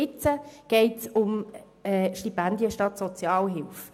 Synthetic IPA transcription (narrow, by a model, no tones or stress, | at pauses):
ɪt͡səɡ̥ɛɪtsʊm | ɛʃtipændiəʃtɑtsot͡sjɑːlɦɪlf